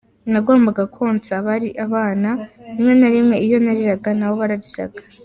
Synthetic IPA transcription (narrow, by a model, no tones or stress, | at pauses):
naɡo̞ːmbaɡakʰoːnt͡saβaɾiʔaβaːnanimŋe̞naɾimŋe̞ijo̞naɾiɾaɡanawo̞βaɾaɾiɾa̰ɡḁ